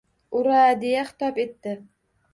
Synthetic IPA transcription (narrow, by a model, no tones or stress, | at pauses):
ʊɾad̪ejaχɪ̥t̪ʰɒpet̪ːɪ